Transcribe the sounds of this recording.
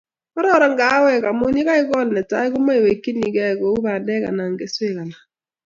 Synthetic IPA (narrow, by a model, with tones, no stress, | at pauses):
ɔ˦ɾɔ˦ɾa˨ŋɡa˨˦wɛ˦˨ka˨mʊ˦ɲi˦ka˦ɪ˦kɔ˦lnɛ˨ta̰˦kʊ˦ma˦i˨we˨kːi˦ni˨kɛ˦˨kɔ˨˦u˦ba˨ndɛ˦ka̰˨na˨ŋɡe˦swe˦˨ka˨na˨